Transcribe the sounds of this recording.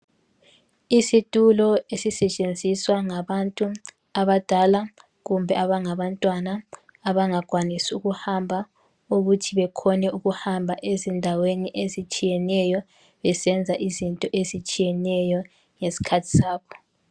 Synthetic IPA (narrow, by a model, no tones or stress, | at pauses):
isitʼulɔesisɛt͡ʃʼend͡zʱiswaŋaβantʼu | aβad̥ʱala | ɣumbʱɛaβaŋaβantʼwanaː | βaŋaɡ̥ʱwanisuɣuhambʱa | uɣutʰiβɛkʰɔnɛuɣuhambʱaʔezindʱaweniʔezit͡ʃʼijɛnɛjɔ | βɛsɛnd͡zʱaʔizintʼɔʔezit͡ʃʼijɛnɛjɔ | ŋesi̥kʰatʰi̥saːβɔ